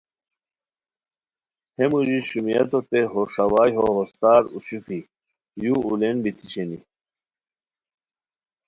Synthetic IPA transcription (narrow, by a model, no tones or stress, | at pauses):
hemud͡ʑiɕumijɐ̰t̪ot̪eɦoʂɐwaːjɦoɦost̪aːɾuɕupʰi | juulenbit̪ʰi̥ɕenḭ